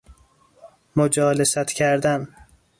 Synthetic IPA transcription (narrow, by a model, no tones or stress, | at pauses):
mod͡ʒɒːlesæt̪cʰæɾd̪æn